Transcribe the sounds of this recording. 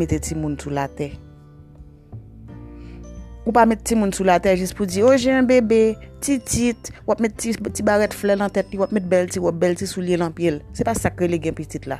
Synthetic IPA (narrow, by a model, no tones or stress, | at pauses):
et̪et͡simũnsulat̪ɛ | upamɛtːimũnsulat̪ɛʒispud͡zioʒɛ̃ɛ̃bebetitit̪wapmɛt̪ːitibaɣɛtflɛnɐ̃t̪ɛtliwapmɛt̪̚bɛltiwap̚bɛltisuljelɐ̃pjelsepasakɣeleɡɛ̃pit͡sit̪la̰